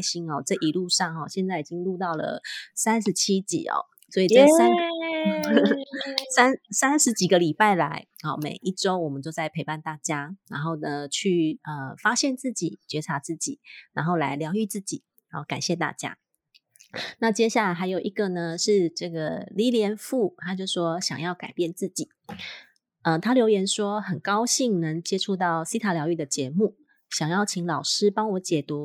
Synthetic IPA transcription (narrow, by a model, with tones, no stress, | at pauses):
ɕi˧˥ŋɔ˥˨t͡sɤ˥˩ʔi˨˩lu˥˧ʂɑ˥˩ŋɔ˨˩ɕjɛ˥˧nt͡sa˥˩ɪi˨˩t͡ɕi˦ŋlu˥˧t̪ɑ˥˩ʊlə̰˩sa˦˥nʂɻ̩˨˧˦t͡ɕʰi˥t͡ɕḭ˨˩˦ɔ̰˨˩ | swɔ˧˥i˨˩t͡sə˥˩sa˥n | sa˥nsa˥nʂɻ̩˧˥t͡ɕi˨˩ɡə˨˦li˨˩pa˥˩ɪla˧˦ɪɔ˨˩mḛ˨˩ɪʔi˥˩ʈ͡ʂo˥ʊwɔ˨˩mə˨˦nt͡ɕjo˥˧ʊt͡sa˥˩ɪpʰe˧˥ɪpa˥˧nt̪a˥˩t͡ɕja˥na˧˥nxo˥˩ʊnə˩t͡ɕʰy˥˩ə˨˩fa˥ɕjɛ˥˧nt͡sɹ̩˥˩t͡ɕḭ˨˩t͡ɕɥɛ˧˥ʈ͡ʂʰa˧˥t͡sɹ̩˥˩t͡ɕḭ˨˩na˧˥nxo˥˩ʊla̰˧˥ɪljɑ˧˥ʊy˥˧t͡sɹ̩˥˩t͡ɕi˨˩˧ka˨˩nɕjɛ˥˧t̪a̰˥˩t͡ɕja̰˥ | na˥˨t͡ɕjɛ˥ɕja˥˩la˧ɪxa˧˥ɪjo˨˩ʊʔi˧˥ɡə˨nə˩ʂɻ̩˥˧ʈ͡ʂɤ˥˩ɡə˩li˧˥ljɛ˧˥nfu˥˩t̪ʰa˥t͡ɕjo˥˧ʊʂwɔ˥ɕjɑ̰˨˩ŋjɑ˥˩ʊka˨˩ɪpjɛ˥˧nt͡sɹ̩˥˩t͡ɕi˨˩˦ | ə˧t̪ʰa˥ljo˧˥ʊjɛ˧˥nʂwɔ˥xə˨˩nkɑ˥ʊɕi˥˩ŋnə˧˥ŋt͡ɕjɛ˥ʈ͡ʂʰu˥˧t̪ɑ˥˩ʊsi˥t̪ʰa˧˥ljɑ˧˥y˥˩d̪ə˩t͡ɕjɛ˧˥˦mu˥˩ | ɕjɑ˨˩ŋjɑ˥˩ʊt͡ɕʰi˧˥ŋlɑ˨˩ʊʂɻ̩˥pɑ˥ŋwɔ˧˥˦t͡ɕjɛ˨˩t̪u˧˦